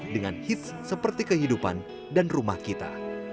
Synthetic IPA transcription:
dəŋanhit̪̚ssəpərt̪ikəɦidupa̰n | danrumahkit̪a̰

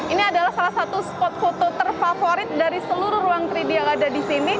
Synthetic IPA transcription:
iniadalahsalahsat̪uspɔt̪̚fot̪ot̪ərfafoɾɪt̪̚daɾisəluɾʊhruaŋk̪ɾidialadadisini

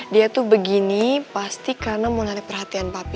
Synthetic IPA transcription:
diat̪ubəɡinipast̪ikarnamulaɾipərhat̪ianpapi

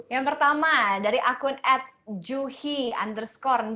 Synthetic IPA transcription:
jaŋpərt̪amadaɾiʔakʊnɛp̚d͡ʒuhia̰ndərskɔrn

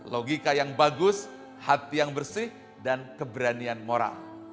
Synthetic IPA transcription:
loɡikajaŋbaɡʊs | hat̪ijaŋbərsɪh | dankəbəɾanianmoɾa̰l

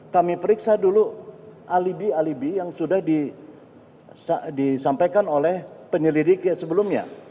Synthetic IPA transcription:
kamipəɾiksaduluʔalibialibijaŋsudahdi | sadisampajkanolɛhpəɲəlidiksəbəlʊmɲa̰

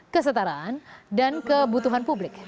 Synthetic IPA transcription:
kəs̬ət̪aɾaʔandankəbut̪uɦanpublɪk̚

